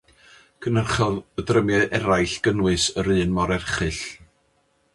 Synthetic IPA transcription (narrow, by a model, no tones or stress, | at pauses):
kʰənərχɔðədrəmjɛʔɛɾajɬɡ̥ənwɨsəɾɨːnmɔɾɛrχɨɬ